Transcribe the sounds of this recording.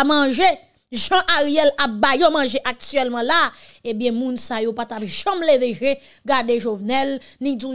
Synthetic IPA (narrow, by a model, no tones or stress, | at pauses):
mɐ̃ʒe | ʒãʔaʁijɛlap̚bajomɐ̃ʒeʔak̚tyɛlmɑ̃laebjɛ̃mũnsajopat̪apʒɐ̃mleveʒe | ɡadeʒovnɛlnĩd͡zu